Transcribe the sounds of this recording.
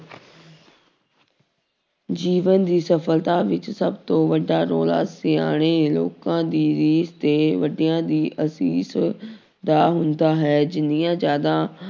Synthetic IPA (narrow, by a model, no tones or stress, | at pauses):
d͡ʒiːʋənd̪iːsəfʰəlt̪aːʋɪt͡ʃsəbt̪õːʋəɖaːɾoːla̰ːseːa̰ːɽ̃eːlo̰ːkãːd̪iːɾiːst̪eːʋəɖijãːd̪iːʔəsiːs | d̪aːɦʊnd̪aːɦɛːd͡ʒɪnijãːzjaːd̪ãː